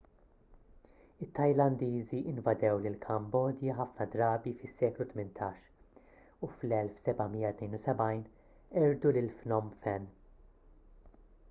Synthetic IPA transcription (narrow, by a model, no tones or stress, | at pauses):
ɪt̪ːɐjlɐnd̪iːziʔɪnvɐd̪ɛwlɪlkʰɐmbɔːd̪jɐħɐfnɐd̪ɾɐːbifɪsːɛːklut̪mɪnt̪ʰɐːʃ | uflɛlfsɛbɐmijɐt̪nɛjnusɛbɐjn | ɛɾd̪ulɪlfnɔmfɛn